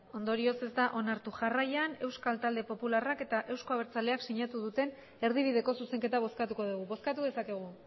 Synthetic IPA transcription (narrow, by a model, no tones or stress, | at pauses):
o̞nd̪o̞ɾio̞se̞zd̪aʔo̞naɾt̪uʝarajane̞wskalt̪ald̪e̞po̞pularake̞t̪aʔe̞wsko̞aβ̞e̞ɾt͡sale̞aksiɲat̪uðut̪e̞n | e̞ɾð̞iβ̞iðe̞ko̞suse̞ŋke̞t̪aβ̞o̞skat̪uko̞ð̞uɣ̞uβo̞skat̪uðe̞sake̞ɣ̞u